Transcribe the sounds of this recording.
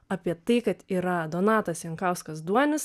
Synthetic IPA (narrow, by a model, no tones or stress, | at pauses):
ɐpʲiɛt̪ɐɪkɐt̪iːɾɐd̪oːnɑːt̪ɐsjɛŋkɑʊskɐsd̪uɔnʲɪs